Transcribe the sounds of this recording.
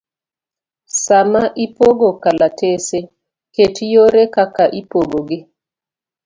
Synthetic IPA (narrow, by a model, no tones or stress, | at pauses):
samaʔipoɡokalatese | ketjoɾekakaʔipoɡoɡɪ